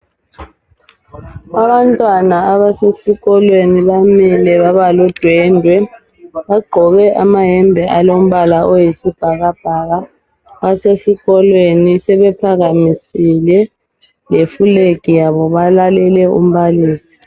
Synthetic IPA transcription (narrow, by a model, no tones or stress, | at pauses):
aβantʼwanaaβasesiɣɔlweniβamilɛβaβalɔd̥ʱwɛndʱwɛ | βaɡ͡ǃʱɔɣɛʔamaɦɛmbʱɛʔalom̩βalaɔjisib̥ʱaɣab̥ʱaɣa | βasesiɣɔlwenisɛβɛpʰaɣamisilɛ | lefuleɡ̥ʱijaβɔβalalɛlɛṵm̩βaliːsi̥